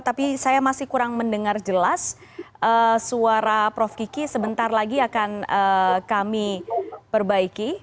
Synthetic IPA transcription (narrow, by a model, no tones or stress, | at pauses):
t̪apisajamasɪhkuɾaŋməndəŋard͡ʒəlas | ʔəsuaɾapɾɔfkikisəbənt̪arlaɡiakanəkamipərbaiki